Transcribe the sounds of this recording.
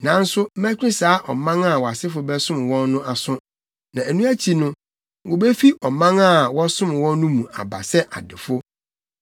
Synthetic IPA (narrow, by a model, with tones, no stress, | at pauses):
nã˨˦n̩˦sʊ˦m̩˦mæ̃˦t͡ɕᶣĩ˦saː˨˦ʔɔ˨mã˦ŋa˦˨wɔ˨a˨sɪ˦fʊ˨bɛ˦sʊ̃˦m˨wɔ̃˦nːʊ̃˦a˨sʊ̃˦ | nã˨æ˨nũ˦æ˦t͡ɕʰi˨nʊ̃˦ | wʊ˨be˦fi˦ʔɔ˨mã˦ŋa˦˨wɔ˦sʊ̃˦m˨wɔ̃˦nːʊ̃˦mũ˨a̰˨ba̰˨sɛ˦ʔa̰˨dɪ˨fo˦